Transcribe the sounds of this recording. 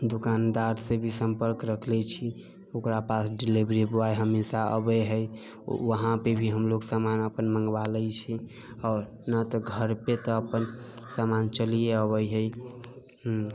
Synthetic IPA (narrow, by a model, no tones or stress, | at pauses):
d̪ukand̪aɾsẽbʱisəmpəɾkɾəkʰlet͡ʃʰi | okɾapasɖilibɾibwajɦəmisaə̰beɦəj̰ | ʋəɦãpebʱiɦəmloksamanəpənməŋɡʋaləjt͡ʃʰi | ɔːɾ | nat̪ɔɡʱəɾpet̪ɔəpənsamant͡ʃəlijeəβəjɦəj | ɦ